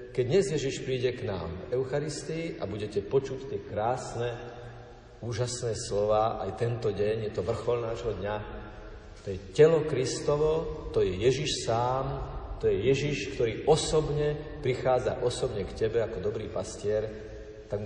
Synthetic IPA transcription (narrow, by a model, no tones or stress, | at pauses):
kɛɟɲɛzjɛʒiʃpɾiːɟɛkna̰ːmvɛʊxaɾist̪iiʔa̰buɟɛcɛpɔt͡ʃuct̪ɪɛkɾaːsnɛ | uːʒasnɛːslɔʋaːʔa̰jt̪ɛnt̪ɔɟɛɲjɛt̪ɔʋr̩xɔlnaːʒɦɔd̪ɲa | t̪ɔjɛcɛlɔkɾist̪ɔʋɔt̪ɔjɛjɛʒiʃsaːmt̪ɔjɛjɛʒiʃkt̪ɔɾiːʔɔsɔbɲɛpɾixaːd͡za̰ʔɔsɔbɲɛkcɛbɛakɔd̪ɔbɾḭːpascɪɛɾ | t̪aɡ